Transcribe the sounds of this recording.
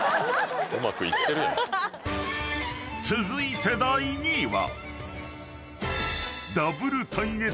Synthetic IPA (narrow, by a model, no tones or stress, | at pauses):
ɯmakɯ̟ḭt̪ːe̞ɾɯ̟jon | t͡sɨzɨit̪e̞d̪aiɲ̟iβa̰ | d̪abɯ̟ɾɯ̟t̪ʰaine